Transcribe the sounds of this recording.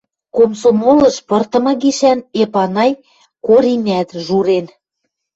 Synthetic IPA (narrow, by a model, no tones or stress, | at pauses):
komsomolɤ̆ʃpɤ̆rt̪ɤ̆mɤ̆ɣiʃænepɑnɑj | koɾinʲæt̪ʒuɾen